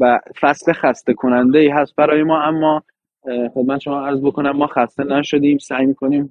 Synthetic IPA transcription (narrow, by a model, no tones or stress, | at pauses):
væfæsle̞xæst̪ekʰo̞nænd̪eiːɦæst̪̚bæɾɒːjemɒːæmːɒː | xobmænʃo̞mɒːæɾzbo̞kʰo̞næmːɒːxæst̪e̞næʃo̞d̪iːmsæːjmiːkʰo̞niːm